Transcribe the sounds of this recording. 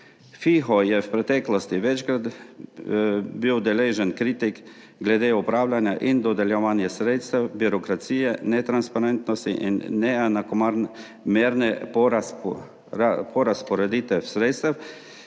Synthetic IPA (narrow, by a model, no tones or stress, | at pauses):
fixɔjɛwpɾɛt̪ɛːklɔst̪iʋɛt͡ʃkɾad̪ | biːwd̪ɛleʒɛnkɾiːt̪ik | ɡlɛd̪eupɾaːwlʲanjaʔind̪ɔd̪ɛljɛʋaːnjɛsɾeːt̪st̪ɛwbiɾɔkɾat̪sijɛnɛt̪ɾanspaɾɛnt̪nɔst̪ḭʔinːɛɛnakomaɾn | meːɾnɛ | pʰɔɾaspɔɾɛd̪iːt̪ʋɛwsɾeːt̪st̪ɛw